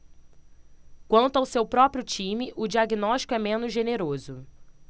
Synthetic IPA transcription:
kwɐ̃nt̪ʊawsewpɾɔpɾijʊt͡ʃĩmɪʔʊd͡ʒiaɡinɔʃt͡ʃi̥kʊɛmẽnʊzʒeneɾozʊ

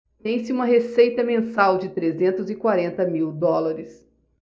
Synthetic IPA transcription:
t̪ẽj̃sɪũmɐɦesejt̪ɐmẽsawd͡ʒɪt̪ɾezẽnt̪ʊzɪkwaɾẽnt̪ɐmiwd̪ɔlɐɾɪs

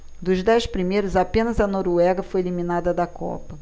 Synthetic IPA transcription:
d̪ʊzd̪ɛjspɾimejɾʊzapẽnɐzɐnoɾuɛɡɐfojeliminad̪ɐd̪ɐkʰɔ̰pɐ

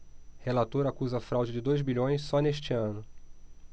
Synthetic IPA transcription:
helat̪oɾakuzɐfɾawd͡ʒɪd͡ʒɪd̪ojzbiʎõj̃sːɔneʃt͡ʃɪɐ̃nʊ

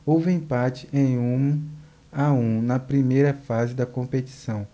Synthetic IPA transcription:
owvɪẽpat͡ʃɪʔẽj̃ũ | aũnɐpɾimejɾɐfazɪd̪ɐkõmpet͡ʃi̥sɐ̃w̃

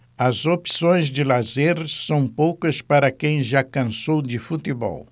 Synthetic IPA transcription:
ɐzopi̥sõj̃zd͡ʒɪlazeɾsɐ̃w̃powkɐspaɾɐkẽj̃ʒakɐ̃sowd͡ʒɪfut̪ɪbɔ̰w

